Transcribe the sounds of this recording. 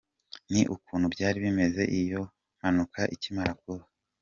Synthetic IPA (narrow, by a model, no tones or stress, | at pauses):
niʔukuːnhubɟaːɾiβime̞ze̞ʔijo̞ | m̥anukʰaʔicimaɾakuβa